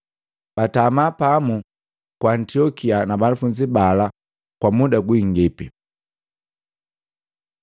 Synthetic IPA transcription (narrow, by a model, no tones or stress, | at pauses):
b̥atamapamu | kwaːntiɔkianabanufund͡ʒibala | kwamudaɡwiŋɡipi